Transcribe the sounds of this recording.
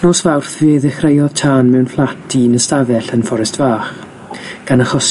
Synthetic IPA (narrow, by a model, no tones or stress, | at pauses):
nɔsvawrθvɨːðɛχrejɔð̥tʰaːnmɛwnflˠatʰinəstavɛɬənfɔɾɛstvaːχ | ɡ̥anaχɔs